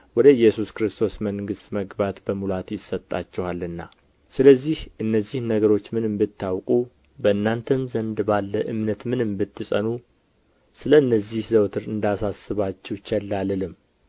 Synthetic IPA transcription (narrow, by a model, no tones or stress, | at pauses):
wɔd̪əɨjːɛsuskɾɨst̪ʰo̞sməŋɡɨst̪ʼməɡbat̪bəmulat̪jɪsːət̪ʼːa̰t͡ʃːɛhalɨnːa̰ | sɨləzːihʔɨnːəzːihnəɡəɾo̞t͡ʃːmɨnɨmbɨt̪ʰːawkʼu | bəɨnːant̪ʰəmzənd̪balːəʔɨmnət̪mɨnɨmbɨt̪ʰːɨsʼənu | sɨləɨnːəzihzəwt̪ʰɨɾɨnd̪asasːɨβat͡ʃːɛwt͡ʃɛlːalɨlɨm